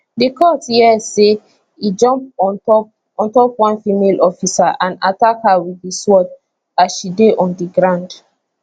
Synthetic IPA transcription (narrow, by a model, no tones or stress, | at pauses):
dikɔthiɛse | id͡ʒɔ̃mp̚ɔp | ɔ̃ntɔpwãnfimelɔfisaʔãnatakhawiðiswɔt | asʃideʔɔ̃ndiɡɹãʊ̃nd